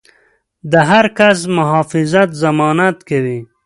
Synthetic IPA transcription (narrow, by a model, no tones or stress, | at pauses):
d̪əɦaɾkas̬mʊɦɑːfɪzat̪zamɑːnat̪kawi